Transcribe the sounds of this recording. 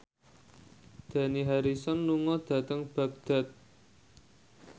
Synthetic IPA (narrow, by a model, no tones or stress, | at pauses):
d̪̥ä̤niɦaɾisɔnːuŋɔd̪̥a̤t̪əŋb̥a̤k̚d̪̥a̤t̪̚